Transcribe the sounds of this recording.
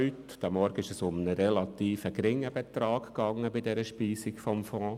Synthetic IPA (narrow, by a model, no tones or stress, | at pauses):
yt | d̥æmɔɾɡəɪʃəsʊmənəɾɛlɑt̪iːfəɡɾɪŋːəbɛt̪ɾɑːkkːɑŋːəbɪdɛɾəʃpiːsikfɔmfɔ̃ː